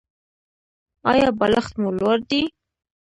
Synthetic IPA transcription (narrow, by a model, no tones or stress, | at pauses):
ɑ̰jɑbaləxt̪mulwaɾd̪i